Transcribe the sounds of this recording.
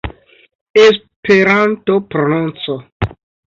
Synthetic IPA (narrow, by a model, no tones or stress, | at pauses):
es | peɾantopɾonũnt͡so